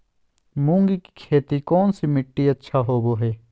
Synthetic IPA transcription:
mũːŋɡiki̥kʰeːt̪ikɔːnsimɪʈːiɐtːʃʰaɦoːboːɦɛː

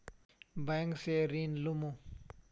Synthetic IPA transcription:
baŋkseɾiːnlumũ

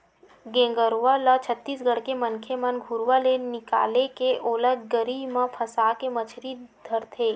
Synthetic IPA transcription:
ɡẽːŋɡəɾʋalat͡ʃʰət̪ːiːsɡʱəɽkemənkʰemənɡʱuɾʋalenɪka̰ːlekeʔoːləɡɡəɾiːbmãpʰəsaːkemət͡ʃʰɾid̪ʱəɾt̪ʰeː

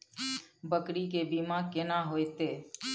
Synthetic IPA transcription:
bəkɽikebiːmãːkɪnaːɦoːet̪eː

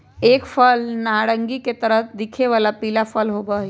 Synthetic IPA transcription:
eːkfʰəlnaɽə̃ŋɡiket̪əɾət̪ʰd̪ikʰeʋalapiːlafʰəlɦobəɦi

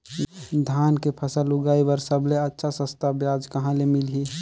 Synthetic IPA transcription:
d̪ʱaːnkepʰəsaluɡaːibəɾsəbleətːʃʰasə̃st̪ʰabjaːd͡ʒkɐɦãlemɪlɦi

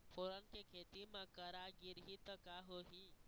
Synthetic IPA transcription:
pʰoɾənkekʰeːt̪imãkəɾaɡiɾɦit̪əkaɦoɦi

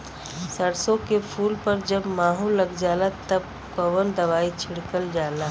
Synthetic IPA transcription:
səɾsõkepʰuːlpɐɾd͡ʒəbmaːɦulːɐɡd͡ʒaːlat̪ɐb̚ | kəʋənd̪ɐʋaːit͡ʃʰɪɽkəld͡ʒaːlaː

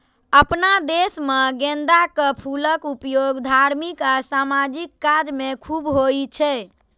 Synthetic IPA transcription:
əpnad̪esmeɡẽnd̪akəpʰuləkupjoɡd̪ʱaɾmikasamad͡ʒikːad͡ʒmekʰubɦojt͡ʃʰɛ

